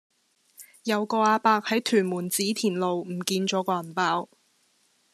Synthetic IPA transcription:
jɐ˨˧wkɔː˧aː˧paː˧k̚hɐ˨˥jt̪ʰyː˨˩nmuː˨˩nt͡siː˨˥t̪ʰiː˨˩nlo˨wm̩˨˩kiː˧nt͡ʃɔː˨˥kɔː˧ɐ˨˩npaː˨˥w

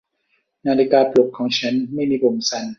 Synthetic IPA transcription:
naː˧li˦˧˩kaː˧plu˨˩k̚kʰːɔː˩˦ŋt͡ɕʰa˦˥nma˥˩jmiː˧bo˨˩msa˧n

